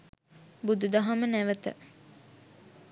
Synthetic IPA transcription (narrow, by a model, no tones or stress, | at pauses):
bud̪ud̪aɦamənæʋət̪ə̰